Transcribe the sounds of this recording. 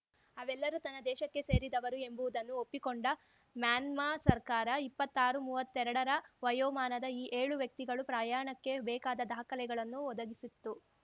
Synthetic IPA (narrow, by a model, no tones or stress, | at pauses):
ɐʋɛlːɐɾut̪ɐnːɐd̪ɛːʃɐkːe̞se̞ːɾid̪ɐʋɐɾue̞mbuʋud̪ɐnːuopːikoɳɖɐ | mjaːnmaːsɐɾkaːɾɐipːɐt̪ːaːɾumuːʋɐt̪ːɛɾɐɽɐɾɐʋɐjoːmaːnɐd̪ɐiːʔe̞ːɭuʋjɐk̚t̪iɡɐɭupɾaːjaːɳɐkːe̞bɛːkaːd̪ɐd̪aːkɐlɛɡɐɭɐnːuɔd̪ɐɡisit̪ːu